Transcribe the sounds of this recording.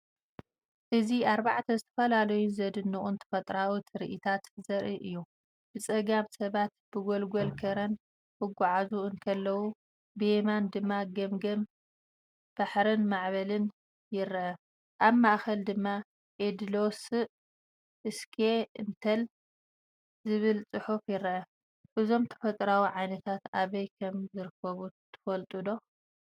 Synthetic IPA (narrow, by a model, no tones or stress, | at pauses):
ʔɨziaɾbaʕt̪ʰɐzɨt̪ʰɐ̥fɐlalɐjunzɐd̪ɨnːuʔʼunt̪ʰɐ̥fɐt̪ʼɾawut̪ʰɾḭʔɨt̪ʰat̪zɐɾʔiʔɨjːu | b̥ɨt͡sʼɐɡamsɐβat̪̚b̥ɨɡolɡolkʰɐɾɐn | hɨɡʷuʕazuɨnkʰɐlːɐwu | bemand̪ɨmːaɡɐmɡɐm | b̥aħɾɨnmaʕβɐlɨn | jɪɾʔɐ | ʔaβmaʔxɐld̪ɨmːa | ʔed̪lo̞sɨ | ʔɨskʰeɨnt̪ʰɐl | zɨβɨlt͡sʼɨħufjɪɾʔɐ | ʔɨzo̞mt̪ʰɐ̥fɐt̪ʼɾawiʕajnɐt̪ʰat̪aβɐjkʰɐmzɨɾɨkʰːɐβut̪ʰɨ̥fɐlt̪ʼud̪o̞